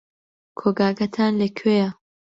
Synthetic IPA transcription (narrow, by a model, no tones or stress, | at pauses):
kʰoɡaːɡɐt̪ʰaːnlɐkʰeja